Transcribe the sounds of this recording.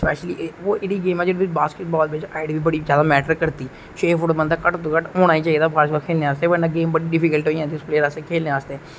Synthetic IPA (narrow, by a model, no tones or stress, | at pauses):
spɛːʃliːʋoːʔɪɽiːɡeːmɛ̃ːd͡ʒɪɽbɪbaːskɪʈ̚bɔːlbɪt͡ʃaːɪɖbiːbəɽiːzjaːd̪aːmɛːʈəɾkəɾt̪iː | ʃeːfʰʊʈbənd̪aːkəʈt̪uːkəʈoːɽ̃aːiːt͡ʃaːiːd̪aːpʰaːɾsbəkʰeːlneːaːst̪eːʋənãɡeːmbəɽiːɖɪfʰiːkəlʈɦoːiãːd̪ispleːɾaːsekʰeːlneaːst̪eː